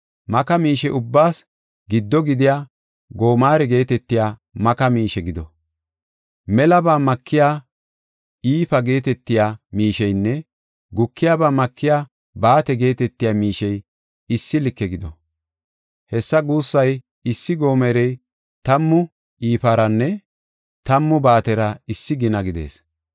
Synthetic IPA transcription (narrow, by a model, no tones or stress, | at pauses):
mɐkɐmiːʃɛʔʊbːaːs | ɡɪd̪ːɔɡɪd̪ɪjaː | ɡo̞ːmaːɾɛɡe̞ːt̪ɛt̪ːɪjaːmɐkɐmiːʃɛɡɪd̪ɔ | mɛlɐbaːmɐkʰːɪjaː | iːfɐɡe̞ːt̪ɛt̪ːɪjaːmiːʃɛjnːɛ | ɡʊkʰːɪjabaːmɐkːɪjaː | baːt̪ɛɡe̞ːt̪ɛt̪ːɪjaːmiːʃɛj | ɪsːɪlɪkːɛɡɪd̪ɔ | hɛsːɐɡuːsːɐj | ɪsːɪɡo̞ːmɛɾɛj | t̪ɐmːʊ | iːpɐɾɐnːɛ | t̪ɐmːʊbaːt̪ɛɾɐɪsːɪɡɪnɐɡɪd̪e̞̰ːs